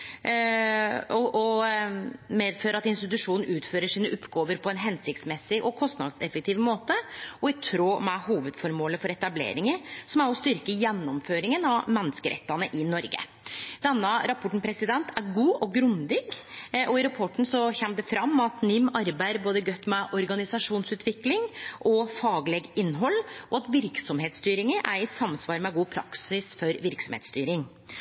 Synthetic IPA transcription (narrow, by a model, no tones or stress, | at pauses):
ɔɔ | meːd̪føːɾəɾɑt̪ɪnst̪ɪt̪ʉʂuːnn̩ʉːt̪føːɾəʂiːnəʔʊpːɡoːʋəɾpʰɔɛnɦɛnsɪk̚t̪smɛsːɪʔɔkʰɔst̪nɑ̰d̪sɛfək̚t̪ʰiːʋəmoːt̪əɔɪt̪ʰɾoːmɛhuːʋəd̪fɔɾmoːləfɔɾɛt̪ɑblḛːɾɪŋəɾsɔmæɾɔst̪ʏɾkəjɛnːɔmføːɾɪŋənɑʋmɛnːəskəɾʔɛ̰t̪ːɑnəʔɪnɔɾɡə̰ | d̪̥ɛnːəɾɑpʰɔʈɳ̩pʰɾɛsɪd̪ɛnt̪ʰæɾɡuːʔɔɡɾʉnd̪ɪɡʔɔɪɾɑpʰɔʈːɳ̩sɔçɛmd̪ɛfɾɑmːɑt̪nɪmːɑɾbæɪɾboːd̪əɡœt̪ːmɛʔɔɾɡɑnɪsɑʂuːnsʉːt̪ʰʋɪklɪŋʔɔfɑːɡlɛɡɪnːɦɔlːɔɑt̪ʋɪɾksɔmheːt̪st̪yːɾɪŋəʔæɾɪsɑmsʋɑːɾmɛɡuːpʰɾɑ̰ksɪsfɔɾʋɪɾksɔmhḛːt̪st̪yːɾɪŋ